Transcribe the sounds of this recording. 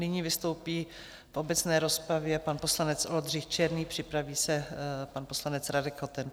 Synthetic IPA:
nɪɲivɪst̪o̞wpiː | fʔo̞bɛt͡snɛːɾo̞spɾavjɛpanpo̞slanɛt͡sʔo̞ld̪r̝ɪxt͡ʃɛɾniːpr̝̥ɪpɾaviːsɛpanpo̞slanɛt͡sɾadɛkhot̪ɛn

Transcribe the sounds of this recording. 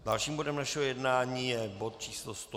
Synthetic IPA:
dalʃiːmbo̞dɛmnaʃɛɦojɛdnaːɲiːjɛbot̪̚t͡ʃiːslost̪o

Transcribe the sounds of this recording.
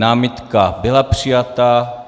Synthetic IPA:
naːmɪt̪kabɪlapr̥ɪjat̪a

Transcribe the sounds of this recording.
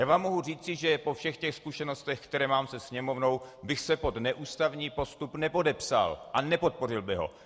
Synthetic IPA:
jaːvaːmːo̞ɦuriːt͡sɪʒɛpo̞fʃɛxcɛxskuʃɛno̞st̪ɛxkt̪ɛɾɛːmaːmsɛsɲɛmo̞vno̞wbɪxsɛpo̞d̪nɛʔuːst̪avɲiːpo̞st̪upnɛpo̞dɛpsa̰lʔanɛpo̞t̪̚po̞rɪlbɪɦo̞̰

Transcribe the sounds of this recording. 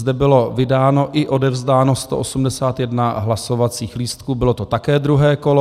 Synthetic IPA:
zdɛbɪlovɪdaːno̞ʔɪʔo̞dɛvzdaːno̞st̪oʔosumdɛsaːt̪jɛdnaɦlaso̞vat͡siːxliːst̪̚kuːbɪlo̞t̪ot̪akɛːd̪ɾuɦɛːko̞lo

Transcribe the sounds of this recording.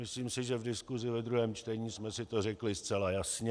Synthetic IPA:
mɪsliːmsɪʒɛvdɪskuzɪvɛd̪ɾuɦɛːmt͡ʃt̪ɛɲiːsmɛsɪt̪orɛklɪst̪t͡sɛlajasɲɛ

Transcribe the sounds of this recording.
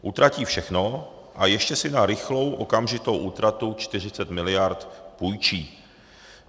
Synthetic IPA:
ʔut̪ɾaciːfʃɛxno̞ | ʔajɛʃcɛsɪnaɾɪxlo̞wʔo̞kamʒɪt̪o̞wʔuːt̪ɾat̪ut͡ʃt̪ɪr̝ɪt͡sɛt̪mɪlɪjaɾt̪pujt͡ʃiː

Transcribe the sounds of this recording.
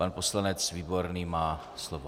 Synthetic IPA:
anposlanɛt͡sviːbo̞ɾniːmaː | slovo

